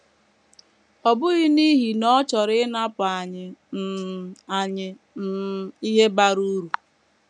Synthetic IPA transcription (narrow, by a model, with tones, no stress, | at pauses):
ɔ˨bʊ˦ɣɪ˦ni˦ɦi˨nɔ˦t͡ʃɔ˨ɾɪ˦na˦pa˨ɲɪ˨m̩˨a˨ɲɪ˨ | m̩˨i˦ɦe˦ba˦ɾu˦ɾu˨